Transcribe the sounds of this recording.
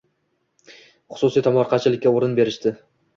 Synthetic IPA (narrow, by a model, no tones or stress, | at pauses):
χʊ̥sʊsijt̪ʰɒmɒɾqʰɑt͡ʃʰɪlɪkʲːaoɾɪnbe̞ɾɪʃt̪ɪ